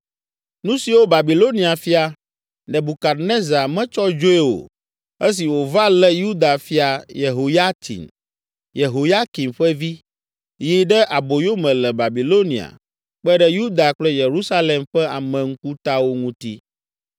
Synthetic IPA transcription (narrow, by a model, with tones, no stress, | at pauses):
nũ˦si˨wo˦ba˨bi˨lo˦nĩ˨a˨fi˦a˨ | ɖɛ˨bu˨ka˨ɾne˦za˨mɛ̃˦t͡ʃɔ˦d͡ʒo˦e˦wo̰˨ | ɛ˦s̬i˨wo˨va˦lɛ˦ju˦d̪a˨fi˦a˨je˨ɦo˨ja˦t̪ʰḭ˨n | je˨ɦo˨ja˦ki˨mɸɛ˦vi˦ | ji˦ɖɛ˦ʔa˨bo˨jo˦mɛ̃˨lɛ˨ba˨bi˨lo˦nḭ̃˨a̰˨ | k͡pɛ˦ɖɛ˦ju˦d̪a˨k͡plɛ˦je˨ɾu˦sa˦lɛ˨mɸɛ˦a˨mɛ̃˨ŋ̩˦ku˦t̪a˦wo˦ŋũ˦t̪ḭ˦